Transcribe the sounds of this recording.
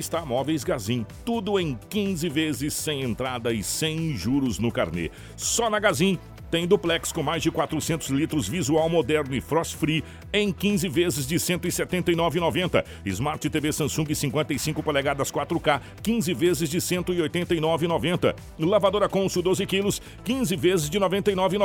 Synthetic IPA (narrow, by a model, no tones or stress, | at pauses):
ɪst̪amɔvejzɡazĩt̪ud̪ʊẽj̃kĩzɪvezɪsːẽj̃ẽnt̪ɾad̪ɐɪsẽj̃ʒuɾʊznʊka̰ɾnḛ | sɔnɐɡazĩ | t̪ẽj̃d̪ʊplɛkskõmajzd͡ʒɪkwat̪ɾʊsẽnt̪ʊzlit̪ɾʊzvizuawmod̪ɛɾnʊɪfɾɔsfɾi | ẽj̃kĩzɪvezɪzd͡ʒɪsẽnt̪ʊɪsɛt̪ẽnt̪ɐinɔvɪnovẽnt̪ɐ | ɪzmaɾt͡ʃɪt̪evesɐ̃sũɡɪsĩŋkwẽnt̪ɐisĩŋkʊpolɛɡad̪ɐskwat̪ɾʊka | kĩzɪvezɪzd͡ʒɪsẽnt̪ʊɪojt̪ẽnt̪ɐinɔvɪnovẽnt̪ɐ | lavad̪oɾɐkõsʊd̪ozɪkilʊs | kĩzɪvezɪzd͡ʒɪnovẽnt̪ɐinɔvɪn